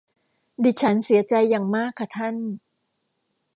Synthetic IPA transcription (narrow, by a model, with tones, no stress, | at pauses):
diː˨˩t͡ɕʰa˦˥nsi˨˩˦ɐt͡ɕa˧jːaː˨˩ŋmaː˥˩kʰːa˧˩t̪ʰa˥˩n